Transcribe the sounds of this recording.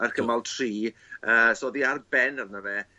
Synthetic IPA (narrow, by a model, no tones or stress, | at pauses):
arkʰəmalˠtʰr̥iːəsɔːðiarbɛnarnəvɛ